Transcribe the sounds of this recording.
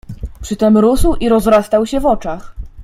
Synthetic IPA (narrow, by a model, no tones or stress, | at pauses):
pʂɘt̪ɛmɾuswiɾɔzɾast̪awɕɛvɔt͡ʂax